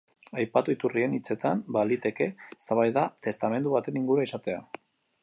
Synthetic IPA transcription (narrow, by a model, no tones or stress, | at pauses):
ajpat̪uit̪urie̞nit͡se̞t̪ambalit̪e̞ke̞st̪aβajðat̪e̞st̪ame̞nd̪uβat̪e̞niŋɡuɾuaisat̪e̞a